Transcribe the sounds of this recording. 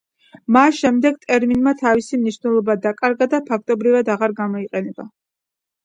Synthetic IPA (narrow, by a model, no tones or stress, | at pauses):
masʃɛmd̪ɛɡ̚t̪ʼɛɾminmat̪ʰavisimniʃnɛlˠɔbad̪akʼaɾɡad̪apʰak̚ʰt̪ʼɔbɾivad̪aʁaɾɡamɔiqʼɛnɛba